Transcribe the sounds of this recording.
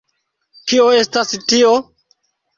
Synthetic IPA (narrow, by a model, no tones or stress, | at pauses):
kioe̞stastio